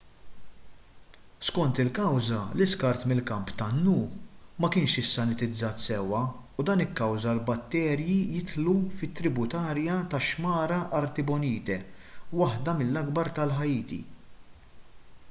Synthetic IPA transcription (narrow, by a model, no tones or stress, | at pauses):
skɔnt̪ɪlkɐwzɐlɪskɐɾt̪mɪlkɐmpt̪ɐnːuːmɐkɪːnʃɪsːɐnɪt̪ɪd͡zːɐːt̪sɛwɐud̪ɐːnɪkːɐwzɐlbɐt̪ːɛːɾjijɪt̪lufɪt̪ːɾɪbʊt̪ɐːɾjɐt̪ɐʃmɐːɾɐʔɐɾt̪ɪbɔniːt̪ɛwɐħd̪ɐmɪlːɐɡbɐɾt̪ɐlħɐjiːt̪ḭ